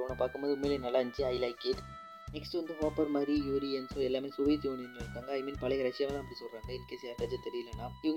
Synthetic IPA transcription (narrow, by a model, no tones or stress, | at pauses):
ɔɳːɐpaːɾkɯmpoːðɯʊmːeːlenɐlːaɐɲd͡ʒiɐɪlɐɪkeʈ | nɛksʈɯʋɐnd̪ɯɦoːpːɐɾmaːɾijuːɾiɛnsoːɛlːaːmeːsʊʋɐjt̪iuːɳinːɐɾɯkːaːŋɡɐːɪmiːnpɐlɐɣɐɾɐt͡ʃːɪjaːʋɐlãːɐpːɐɽisɔlraːŋɡɐɪlkːeːsɐjaːpɐt͡ʃːɐt̪ɛɾɪjɪlːɐnːãːɪʋɐŋ